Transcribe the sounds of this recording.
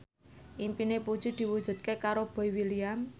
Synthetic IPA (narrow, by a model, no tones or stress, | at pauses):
ʔimpinepu̥ʒ̥ṳd̪̥i̤wud̥ʒ̥ṳt̪̚kekaɾob̥ɔ̤iwiliam